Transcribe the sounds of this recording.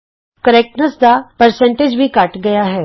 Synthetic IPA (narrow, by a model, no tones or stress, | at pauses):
kəɾɛk̚ʈnəsd̪apɐɾsɛ̃ɳʈed͡ʒbʱikɐʈɡɐjaɦɛː